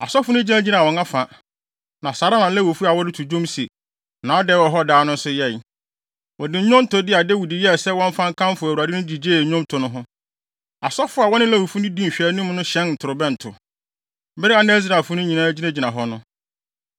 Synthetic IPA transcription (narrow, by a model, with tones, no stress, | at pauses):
a˨sɔ˦fʊ˦nʊ̃˦d͡ʑi˦nã˦d͡ʑi˦nã˨wɔ̃˨ŋã˦fã˨ | nã˨saː˨ɾa˦nã˨˦læ˦wo˨fu˦a˨wɔ˦dɪ˦tʰu˨d͡ʑõ˦msi˨ | nã˨˦ɔ˦dɛ˦wɔ˨ɦɔ˦daː˦nʊ̃˦n̩˦sʊ˦jɛ˦˨j | wɔ˨dɪ˨˦ɲʊ̃˦m˦tʊ˦dɪ˦a˨dɛ˦wu˨di˨jɛ˦˨sɛ˦wɔ̃˦m̩˦fã˦ŋ̩˦kʰã˦m˦fʊ˨æ˨wu˨a˨dɪ˦nʊ̃˦di˨d͡ʑeː˦˨˦ɲʊ̃˦m˦tʰʊ˨nʊ̃˦ɦʊ̃˦ | a˨sɔ˦fʊ˦a˨wɔ˦nɪ̃˦læ˦wu˨fu˦nʊ̃˦dĩ˦m̩˨ɕᶣɛ˨˦nũ˦m˦nʊ̃˦ɕɛ̃˦nn̩˨tʰʊ˨ɾʊ˨bɛ̃˦n̩˨tʰʊ˨˦ | bɪ˦ɾɪ˦a˨nɛ˦z̬ɾa˨fʊ˦nʊ̃˦ɲĩ˨nãː˦d͡ʑi˦nã˦d͡ʑi˨nã˨ɦɔ˦nʊ̃˦